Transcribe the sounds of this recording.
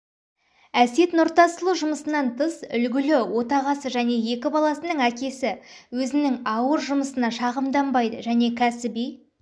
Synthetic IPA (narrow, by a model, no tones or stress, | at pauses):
æse̞t̪noɾt̪ɑsəlˠuʒʊməsənɑnt̪ʰəsʏlɡʲɪlɪwo̞t̪ɑʁɑsəʒæne̞je̞kʲɪbɑlˠɑsənəɴækʲe̞sɪwɵzɪnɪŋɑwəɾʒʊməsənɑʃɑʁəmd̪ɑmbɑjd̪əʒæne̞kʲʰæsɪbij